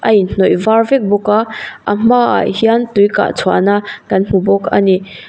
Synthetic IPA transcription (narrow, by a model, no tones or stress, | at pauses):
ʔɐjn̥ɔjvarvɛk̚bɔkaʔɐm̥aa̰hiant̪ujka̰ʔt͡sʰɔanakɐnm̥ubɔka̰ni